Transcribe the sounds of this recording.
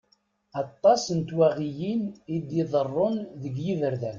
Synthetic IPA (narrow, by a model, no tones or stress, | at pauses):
ɑt̪ˤːɑsənt̪wæʁijinid̪iðˤərˤːʊnðəɡjivəɾðæn